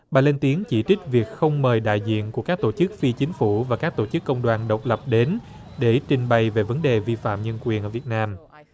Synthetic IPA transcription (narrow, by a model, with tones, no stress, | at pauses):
ɓaː˨˩le˧nt̪i˨˦əŋt͡ɕi˧˩t͡ɕï˦˥k̟̚vi˨˩ək̚xə˧wŋ͡mməː˨˩jɗa̰ː˧˨jzḭ˧˨ənku˧˩əkaː˦˥k̚t̪o˧˩t͡ɕɨ˦˥k̚fi˧t͡ɕï˨˦ŋ̟fu˧˩vaː˨˩kaː˦˥k̚t̪o˧˩t͡ɕɨ˦˥kːə˧wŋ͡mɗwaː˧˩nɗə˨˩wk͡p̚lə˨˩p̚ɗe˨˦n | ɗe˧˩t͡ɕï˨˩ŋ̟ɓa˨˩jve˨˩və˨˦nɗe˨˩vi˧fa̰ː˧˨mɲə˧nkwi˨˩ənʔəː˧˩vi˨˩ət̚naː˧m